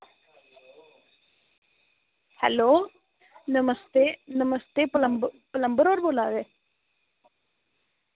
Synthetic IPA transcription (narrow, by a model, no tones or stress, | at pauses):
hɛ̰loː | nɐmɐst̪enɐmɐst̪eplɐmplɐmbəɾoːɾboːlaːðe